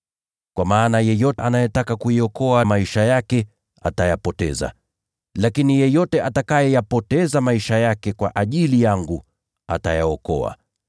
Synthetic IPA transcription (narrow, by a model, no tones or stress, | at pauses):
kwamaːnajɛjɔtʔanajɛtakakuiɔkɔamaiʃajakɛ | a̰tajapɔtɛ̰za̰ | lakinijɛjɔtɛʔatakajɛjapɔtɛzamaiʃajakɛkwaʔaʄilijaŋɡu | a̰tajaɔkɔ̰a̰